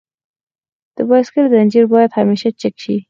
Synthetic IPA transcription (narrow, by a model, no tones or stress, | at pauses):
d̪̥əbaskəlzanʲd͡ʒiɾbɑjad̪hameʃat͡ʃɪkʃi